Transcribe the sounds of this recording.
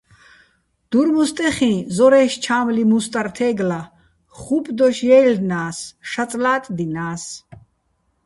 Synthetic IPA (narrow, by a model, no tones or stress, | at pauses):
d̪̥uɾmust̪ʼɛχĩnzɔɾɛːʃt͡ʃʰaːmlimust̪ʼaɾt̪ʰɛːɡla | χupʼd̪ɔʃjɛːlnaːsʃat͡sʼlaːt̪ʼd̪inaːs